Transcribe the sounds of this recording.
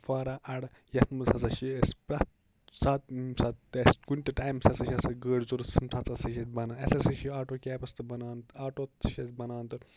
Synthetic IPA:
faːɾaʔɐɽ | jɐt̪mɨsʰɐt͡sɐʃiespɾɐt̪ | sat̪sat̪eskunʲʈɨʈaːjmsɐsɐʃɐsɐɡəːɽzuɾsimsʰat͡sɐsɐʃibɐnaɐsɐsɐʃiaːʈoːkʲɛːpɐst̪ɨbɐnaːnt̪ɨaːʈoːt̪ʃɐt͡sbɐnaːnt̪ɨ

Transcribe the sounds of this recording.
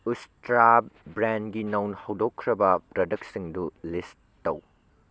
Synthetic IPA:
ustɾabɾenɡinɐwnhɐwdokʰːɾɐbɐpɾɐdɐk̚siŋdulistːɐw

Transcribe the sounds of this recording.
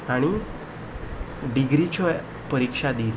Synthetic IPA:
aɽ̃i | ɖiɡɾit͡ɕɔ | pəɾikʂad̪iːl

